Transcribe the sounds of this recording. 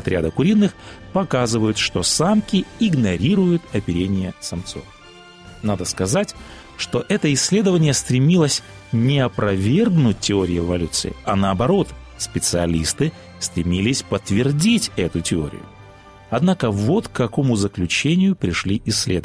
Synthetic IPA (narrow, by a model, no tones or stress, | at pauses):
ɐt̪ɾʲa̰d̪əkʊɾʲinːɨxpɐkazɨvəjʊt̪ʂt̪o̞samkʲɪɪɡnɐɾʲiɾʊjʊt̪ɐpʲɪɾʲenʲɪjəsɐmt̪so̰f | nad̪əskɐzatʲ | ʂt̪o̞ʔɛt̪əɪsʲːlʲe̞d̪əvənʲɪjəst̪ɾʲɪmʲilˠəsʲ | nʲɪɐpɾɐvʲe̞rɡnʊt̚ʲtʲːɪo̞ɾʲɪjɪɪvɐlʲut̪sɨ̰ɪ̰ɐnəːbɐɾo̞t̪ | spʲɪt̪sɨɐlʲist̪ɨ | st̪ɾʲɪmʲilʲɪsʲpət̪vʲɪrdʲitʲɛt̪ʊtʲɪo̞̰ɾʲɪ̰jʊ̰ | ɐd̪nakəvo̞t̪kːɐko̞mʊzəklʲʉt͡ɕenʲɪjʊpɾʲɪʂlʲiʔɪsʲːlʲed̪ə